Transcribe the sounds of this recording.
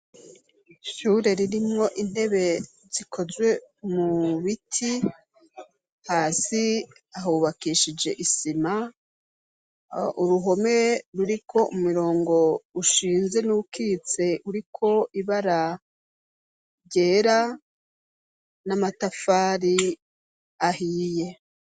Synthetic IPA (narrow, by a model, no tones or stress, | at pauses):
ʃuːɾe̞ɾiɾimŋo̞ʔin̥he̞βe̞ | zikʰo̞zwe̞muβitʰi | haːsi | aɦouβakiʃid͡ʒe̞ʔisima | uɾuɦo̞me̞ɾuɾikʰo̞ʔumiɾo̞ːŋɡo̞uʃiːnze̞nukʰit͡se̞ʔuɾikʰo̞iβaɾa | ɟe̞ːɾa | namatafaːɾi | aɦiːje̞